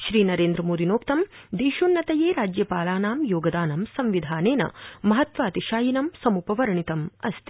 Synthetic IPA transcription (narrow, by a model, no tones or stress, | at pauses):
ʃɾiːnɐɾeːnd̪ɾɐmoːd̪ʱinoːkt̪ɐmd̪iːʃunːɐt̪ɐjeːɾaːd͡ʒjɐpaːlaːnaːmjoːɡɐd̪aːnɐmsɐmʋid̪ʱaːneːnɐ̰mɐɦɐt̪ʋaːt̪iʃaːjinɐmsɐmupɐʋɐɾɐɳit̪ɐmɐst̪i̥